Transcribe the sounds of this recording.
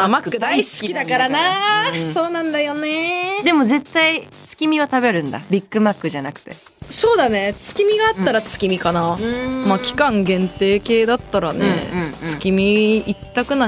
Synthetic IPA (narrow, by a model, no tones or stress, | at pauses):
amakkɯd̪aiskʲid̪akaɾanaso̞ːnãnd̪ajo̞ned̪e̞mo̞ze̞t̪ːai | t͡sɨ̥kʲimʲiβat̪abe̞ɾɯ̟̃nd̪a̰bʲikːɯ̟makːɯ̟ʑanakɯ̟̥t̪e̞̰ | so̞ːd̪ane̞t͡sɨ̥kʲimʲiɡaːt̪ːaɾat͡sɨ̥kʲimʲikanamaːkʲi̥kãŋɡẽ̞nt̪e̞ːke̞ːd̪at̪ːaɾanḛt͡sɨ̥kʲimʲiit̪ːakɯ̟na